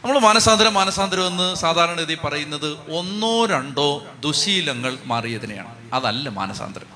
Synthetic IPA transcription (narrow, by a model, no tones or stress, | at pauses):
nɐmːɐɭmaːnɐsaːnd̪ɾɐmːaːnɐsaːnd̪ɾɐʋonːɨsaːd̪ʱaːɾɐɳɐiðipɐrɐjunːɐðɨo̞nːoːɾɐɳɖo̞ːd̪uɕiːlɐŋːɐɭmaːrijɐðineja̰ːɳɨ | ɐðɐlːɐma̰ːnɐsa̰ːnd̪ʱɾɐ̰m